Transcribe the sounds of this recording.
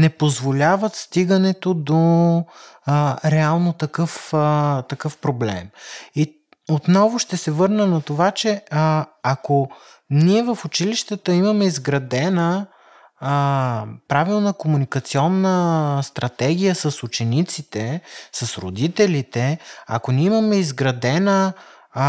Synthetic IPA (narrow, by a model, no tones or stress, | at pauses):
nɛpozvolʲavət̪st̪iɡənɛt̪od̪o | ɾɛalˠnot̪ɐkɤft̪ɐkɤfpɾoblɛmi | ot̪nɔvʊʃt̪ɛsɛvɤɾnənɐt̪ovat͡ʃɛ | ako | niɛvəfʊt͡ʃiliʃt̪ət̪əiməmɛizɡɾɐd̪ɛnə | pɾavilˠnəkomunikɐt̪siɔnːəst̪ɾɐt̪ɛɡ̟ijəsəsʊt͡ʃɛnit̪sit̪ɛsəsɾo̰d̪it̪ɛlit̪ɛɐ̰koniɛimɐmɛizɡɾɐd̪ɛnə